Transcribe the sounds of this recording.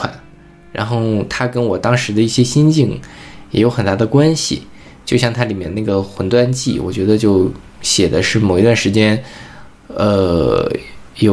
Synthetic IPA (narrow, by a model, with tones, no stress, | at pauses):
wa̰˨˩˦n | ɻa̰˧˥nxo˥˩ʊt̪ʰa˥kə˥nwɔ˨˩t̪ɑ˥ŋʂɻ̩˧˥d̪ə˧i˥˩ɕjɛ˥ɕi˥nt͡ɕi˥˩ŋjɛ˧˩˥jo˧˥xə˨˩nt̪a˥d̪ə˨kwa˥nɕḭ˨˩ | t͡ɕjo˥˧ʊɕjɑ˥˩˧ŋt̪ʰa˥li˨˩mjɛ˥˧n˧na˥˩ɡə˩xwə˧˥nt̪wa˥nt͡ɕi˥˩wɔ̰˨˩t͡ɕɥɛ˧˥d̪ə˧t͡ɕjo˥˩ʊ | ɕjɛ˨˩d̪ə˦ʂɻ̩˥˩mo˨˩ʊi˧˥t̪wa˥˩nʂɻ̩˧˥t͡ɕjɛ˥n | ə̰˧ | jo˨˩